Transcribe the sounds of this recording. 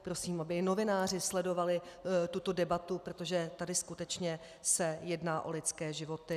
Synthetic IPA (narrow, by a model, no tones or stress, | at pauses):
pɾo̞siːmʔabɪno̞vɪnaːr̝ɪslɛdo̞valɪt̪ut̪o̞dɛbat̪upɾot̪o̞ʒɛt̪adɪskut̪ɛt͡ʃɲɛ | sɛjɛdnaːʔo̞̰lɪt͡skɛːʒɪvo̞t̪ɪ